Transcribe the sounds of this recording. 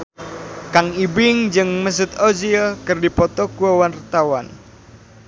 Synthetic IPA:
kaŋibɪŋd͡ʒɨŋməs̬ʊt̪oziɔkərdipɔt̪ɔkuɔwart̪awan

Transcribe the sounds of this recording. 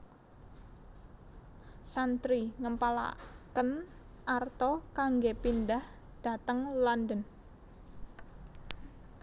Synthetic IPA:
sant̪ɾiŋəmpala̰kən | ʔart̪ɔkaŋɡepindah | d̥a̤t̪əŋlandən

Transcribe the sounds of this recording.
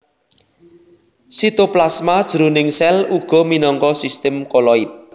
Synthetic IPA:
sit̪oplasmad̥ʒ̥əɾunɪŋsɛluɡ̥ɔ̤minɔŋkɔsist̪ɛmkolɔit̪̚

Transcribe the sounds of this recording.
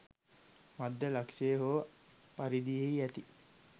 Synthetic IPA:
mad̪ːəlakʃeːɦopaɾid̪ijeiæt̪i

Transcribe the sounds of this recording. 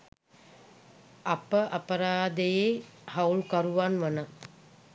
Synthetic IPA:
apəʔapəɾaːd̪əjehawlukaɾuʋanʋənə

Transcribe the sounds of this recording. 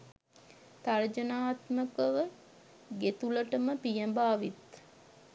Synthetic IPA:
t̪aɾd͡ʒənaːt̪məkəʋə | ɡet̪uləʈəməpijəmbaːʋit̪

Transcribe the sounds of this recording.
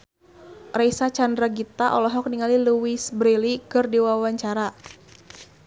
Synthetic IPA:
raisat͡ʃandɾaɡit̪aʔɔlɔɦɔk̚niŋaliluisbɾilikɨrdiwawaɲt͡ʃaɾa

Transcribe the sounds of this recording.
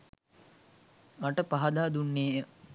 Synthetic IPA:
ɐʈəpaɦɐd̪aːd̪unːeːʔə

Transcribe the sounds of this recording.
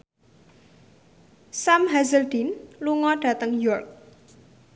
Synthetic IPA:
samɦazəld̪̥inluŋɔɖ̥ä̤t̪əŋjɔrk̚

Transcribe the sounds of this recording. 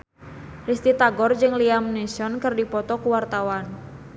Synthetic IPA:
rist̪it̪aɡɔrd͡ʒɨŋliamnesɔnkɨrdipɔt̪ɔkuwart̪awan

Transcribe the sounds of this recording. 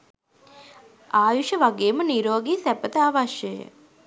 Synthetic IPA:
ʔaːjuʃəʋaɡeːməniɾoːɡiːsæpət̪əaʋaʃjəjə̰

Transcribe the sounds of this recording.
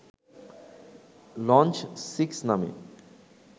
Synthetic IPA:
lɔ̃nt͡ʃsiksnamḛ

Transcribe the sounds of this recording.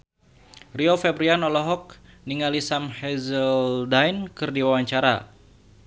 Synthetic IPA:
riɔfɛbɾianɔlɔɦɔk̚niŋalisamhɛzəldajnkɨrdiwawaɲt͡ʃaɾa̰

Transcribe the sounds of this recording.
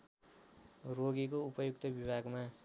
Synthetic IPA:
ɾoɡikoupʌjukt̪ʌbibʱaɡmã

